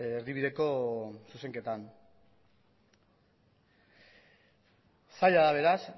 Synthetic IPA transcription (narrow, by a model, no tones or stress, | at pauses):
eɾðiβiðe̞ko̞suse̞ŋke̞t̪an | saʎaðaβ̞e̞ɾas